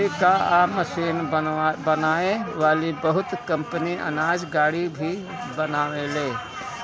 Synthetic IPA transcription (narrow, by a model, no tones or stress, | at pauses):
ikaaməsiːnbɐnaːẽʋaːlibəɦʊt̪kɐ̃mpəniʔɐ̰naːd͡ʒɡaːɽibʱi | bənaːʋeleː